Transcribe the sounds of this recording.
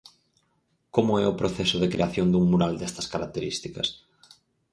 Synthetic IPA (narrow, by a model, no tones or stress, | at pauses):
komʊɛʊpɾoθɛsʊðekɾeaθjoŋd̪uŋmuɾald̪ɛst̪ɐskaɾak̚t̪eɾist̪ikɐ̰s